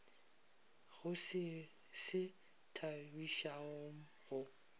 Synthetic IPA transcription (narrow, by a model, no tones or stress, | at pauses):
ɣʊsɪ | sɪ | tʰabiʃaoŋ̩ | ɣʊ